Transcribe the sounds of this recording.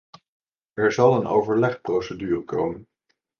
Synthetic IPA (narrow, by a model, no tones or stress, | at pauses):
ɛɹzɑlˠəno̰wvəɹlɛχprosədyːrəko̰wmən